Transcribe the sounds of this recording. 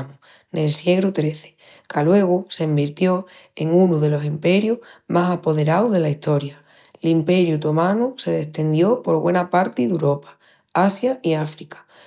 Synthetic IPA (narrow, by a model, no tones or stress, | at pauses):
nu | nelsje̞ɣɾut̪ɾe̞θe̥ | kʰalwe̞ɣ̞use̞ːmbiɾt̪jo̞e̞ŋunuðe̞lo̞simpe̞ɾjuhmasapo̞ð̞e̞ɾawðe̞laiht̪o̞ɾja | limpe̞ɾjut̪o̞mãnuse̞ðe̞st̪e̞nd̪jo̞po̞ɾɣwe̞napaɾt̪iðuɾo̞pḁ | asjaiafɾikḁ